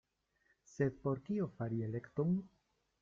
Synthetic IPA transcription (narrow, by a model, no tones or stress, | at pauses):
se̞d̪po̞ɾkiofaɾie̞lekt̪oŋ